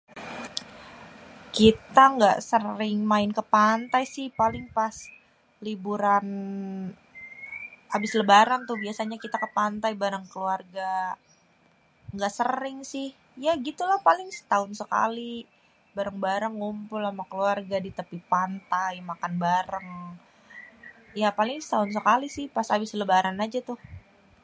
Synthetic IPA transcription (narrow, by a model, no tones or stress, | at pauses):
kit̪aŋɡaʔsərɪŋmaɪnkəpant̪ajsɪhpalɪŋpas | libuɾan | abɪsləbaɾaŋt̪ʊhbiasaɲakit̪akəpant̪ajbaɾəŋkəluarɡa | ŋɡaʔsəɾɪŋsɪh | jaɡit̪ulahpalɪŋsə̥t̪aʊnsəka̰li | baɾəŋbaɾəŋumpʊlamakəluarɡadit̪əpipant̪ajmakanbaɾəŋ | japalɪŋsə̥t̪aʊns̬əkalisɪhpasabɪsləbaɾanad͡ʒat̪ʊh